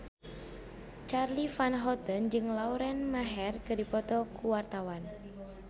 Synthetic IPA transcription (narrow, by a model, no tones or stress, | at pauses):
t͡ʃarlifanɦɔt̪ənd͡ʒɨŋlauɾɛnmaɦɛrkɨdipɔt̪ɔkuwart̪awan